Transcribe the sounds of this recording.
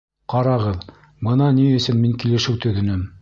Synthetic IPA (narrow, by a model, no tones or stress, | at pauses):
qɑɾɑʁɤð | bɤnɑniɵ̆sɘnmiŋkilɘ̆ʃɘwt̪ɵ̆ðɵ̆nɘm